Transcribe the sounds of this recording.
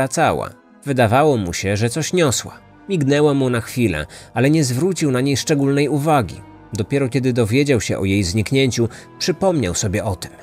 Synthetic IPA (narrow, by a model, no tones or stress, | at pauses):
at̪sawa̰ | vɘd̪avawɔmṵɕɛʐɛt̪sɔɕɲɔswa̰ | mʲiɡnɛwamunaxfʲilɛ̰alɛɲɛzvɾut͡ɕiwnaɲejʂt͡ʂɛɡulnɛjuvaɡʲḭ | d̪ɔpʲjɛɾɔkʲɛd̪ɘd̪ɔvʲjed͡ʑawɕɛʔɔjejzɲikɲeɲt͡ɕupʂɘpɔmɲawsɔbʲjɛʔɔt̪ɘ̥m